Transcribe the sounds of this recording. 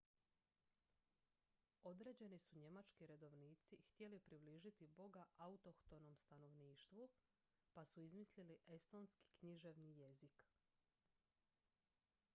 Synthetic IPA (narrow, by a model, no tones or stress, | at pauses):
o̞d̪ɾe̞ːd͡ʑe̞nisuɲe̞mat͡ʃkiɾe̞d̪o̞ʋniːt̪sixt̪je̞lipɾibliːʒit̪ibo̞ɡaʔaut̪o̞kt̪o̞no̞mst̪ano̞ʋniːʃt̪ʋu | pasuizmisliliʔe̞st̪o̞nski̥kɲiʒe̞ʋnije̞zik